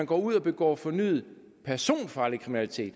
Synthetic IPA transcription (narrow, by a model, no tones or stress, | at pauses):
ænɡ̥ɒ̰ːuð̞̰ˠɒ̽b̥e̝ɡ̥ɒ̰ːfɒ̽ny̰ːð̩ˠ | pʰæɐso̝̰ːnfɑ̈ːlikʰʁiminælit͡sʰe̝̰ːd̥